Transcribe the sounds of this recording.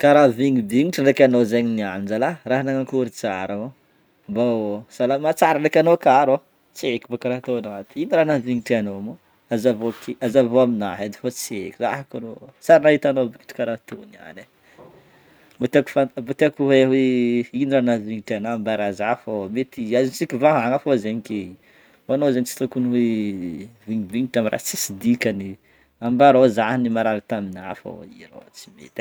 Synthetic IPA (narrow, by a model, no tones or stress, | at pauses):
kaɾaviŋibiŋiʈ͡ʂanakʲanozaɲinianid͡ʒalaraɦanaŋakuɾit͡saɾao | basalamat͡saɾanakʲanokaɾo | t͡siekʲibokaɾat̪onat̪iiniɾanaviŋiʈ͡ʂianomo | azavokiazavoaminaɦad̪i̥fot͡siḛkʲiza̰ɦakanosaɾinaɦit̪anobii̥ʈ͡ʂkaɾat̪unia̰ne | mot̪aku̥famot̪iakuweweiniɾanaviŋiʈ͡ʂanambaɾazafomet̪iazint͡sikʲivaɦaŋafozeɲike | oanozeɲit͡si̥t̪ukunuwe | viɲibiŋiʈ͡ʂamiɾa̰ht͡si̥sid̪ikani | ambaɾozaɦnimaɾaɾit̪amina̰fo̰iɾo̰t͡si̥mḛt̪